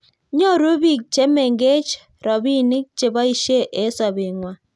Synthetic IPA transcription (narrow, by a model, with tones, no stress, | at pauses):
ɲɔ˦ɾo˦bi˦˨k̚t͡ʃe˦me˨ŋɡe˦t͡ʃ | ɾɔ˨bi˦nɪ˦k̚t͡ʃe˨ba˦i˦ʃe˦ʔe˦sa˨bɪ˨ŋwa˨